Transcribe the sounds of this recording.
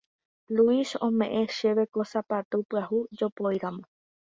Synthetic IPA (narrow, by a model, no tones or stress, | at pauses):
luisõmẽ̞ʔẽʃe̞ʋe̞kosapat̪upɨahud͡ʒopojɾamõ